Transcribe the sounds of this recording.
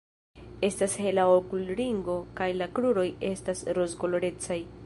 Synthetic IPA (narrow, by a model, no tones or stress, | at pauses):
e̞stashe̞laokulɾiŋɡo̞kajlakluɾo̞je̞stasɾozɡo̞lo̞ɾe̞t͡saj